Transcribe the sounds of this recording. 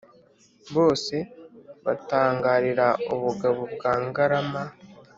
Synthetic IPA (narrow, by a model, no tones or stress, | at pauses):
βo̞ːse̞βataːŋɡaːɾiɾauβuɡaβobɡaːŋɡaɾama